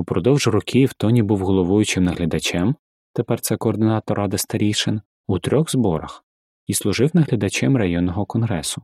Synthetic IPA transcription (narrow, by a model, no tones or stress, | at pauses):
upɾɔd̪ɔwʒɾɔkʲʰiwt̪ɔnʲibuwɦɔlˠɔʋujʊt͡ʃɪmnɐɦlʲɐd̪ɐt͡ʃɛm | t̪epɛrt̪sɛkɔɔːrd̪ɪnɑt̪ɔɾɑd̪ɪst̪ɐɾʲijʃɪn | ut̪ɾʲɔɣzbɔɾɐx | islˠʊʒɪwnɐɦlʲɐd̪ɐt͡ʃɛmrɐjɔnːɔɦɔkɔnɦɾɛsʊ